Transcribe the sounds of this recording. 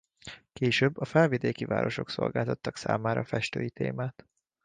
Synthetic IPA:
keːʃøːbːɒfɛlvid̪eːkiva̰ːɾo̞ʃo̞kso̞̰lɡaːt̪ɒt̪ːɒksa̰ːmaːɾɒfɛʃt̪øːjit̪eːmaːt̪

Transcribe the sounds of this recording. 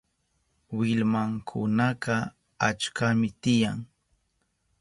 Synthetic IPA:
wɪlmaŋkʰʊnɑɢɑ | at͡ʃkamɪt̪ɪjaŋ

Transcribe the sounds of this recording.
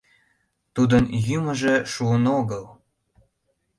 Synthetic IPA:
t̪ud̪ənjyməʒeʃuənoɣəl

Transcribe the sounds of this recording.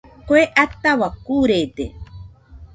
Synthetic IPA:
kweʔat̪ːawakuɾed̪ḛ

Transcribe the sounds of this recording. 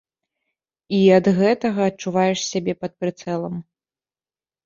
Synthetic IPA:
iɐd̪ɣɛt̪ɐɣɐːtt͡ʂuvajɛʂsʲabʲɛpɐt̪̚pɾɨt̪sɛlˠɐm

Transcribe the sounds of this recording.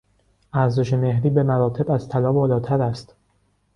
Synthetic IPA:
ʔæɾzeʃe̞me̞hɾiːbe̞mæɾɒːt̪ʰe̞bæzt̪ʰælɒːbɒːlɒːt̪ʰæɾæst̪

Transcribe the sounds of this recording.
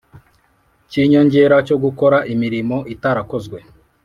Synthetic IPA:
ciɲo̞ɲɟe̞ɾaco̞ɡuko̞ɾaʔimiɾimo̞ʔitaɾako̞zɡwe̞

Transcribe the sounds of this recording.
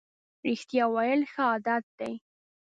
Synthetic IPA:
ɾɪxt̪jɑwajəlxəɑd̪at̪̚d̪aj

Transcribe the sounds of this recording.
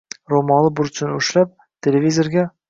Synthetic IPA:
romɑlˠɤbuɾsɘnʉʃlæp̚ | t̪ʲelʲevʲizʲorɡʲæ

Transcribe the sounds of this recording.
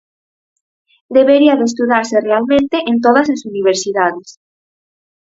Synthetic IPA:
d̪eβeɾiaðest̪uðaɾserealmẽnt̪eʔent̪oðɐsesuniβ̞eɾsiðaðes

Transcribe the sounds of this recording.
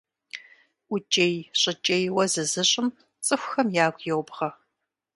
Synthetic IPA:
ʊt͡ʃʼejɕʼɪt͡ʃʼejwɐzɨzɨɕʼɪm | t͡sʼɨxʷxɐmjaːɡʷjɛwbʁɐ

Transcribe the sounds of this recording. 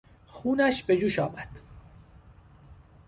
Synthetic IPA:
xuːnæʃbe̞d͡ʒuːʃɒːmæd̪̥

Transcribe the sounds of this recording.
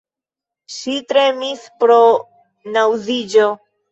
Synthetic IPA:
ʃitɾe̞mispɾo̞ | nawzid͡ʒo

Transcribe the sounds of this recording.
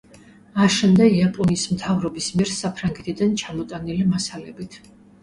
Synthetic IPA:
aʃɛmd̪ɛiapʼɔnismt̪ʰavɾɔbismiɛɾsapʰɾaŋɡɛt̪ʰid̪ant͡ʃʰamɔt̪ʼanilimasalɛbit̪ʰ

